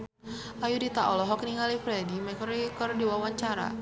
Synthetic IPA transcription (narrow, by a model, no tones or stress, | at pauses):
ʔajudit̪aʔɔlɔɦɔkniŋalifɾɛdimɛkɔɾikɔrdiwawaɲt͡ʃaɾa̰